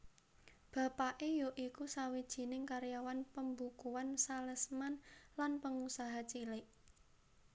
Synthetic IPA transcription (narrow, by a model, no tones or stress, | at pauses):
b̥ä̤paʔejoʔikusawid̥ʒ̥i̤nɪŋkaɾjawanpəmbukuwansaləsmanlanpəŋusaɦat͡ʃilɪʔ